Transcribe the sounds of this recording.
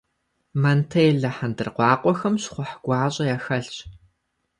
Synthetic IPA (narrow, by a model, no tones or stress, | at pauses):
mɐntʰɐjɮɐħandɨrqʷɑːqʷʼɔxɐmɕχʷʊħɡʷɑːɕʼɐjaxɐɬɕ